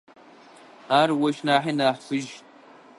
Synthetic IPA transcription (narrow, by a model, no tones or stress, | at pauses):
aːrwɐʃnaːħinaːħfɨʒ